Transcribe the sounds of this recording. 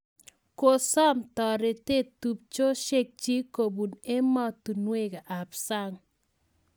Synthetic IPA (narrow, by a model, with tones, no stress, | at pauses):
ko˨sɔ˦mtɔ˨ɾe˨te˦˨tu˨p̚t͡ʃo˦ʃe˦k̚t͡ʃi˦ko˨bu˨ne˦mɔ˦tu˨nwe˦˨ka˨ʔa˨psa˦ŋ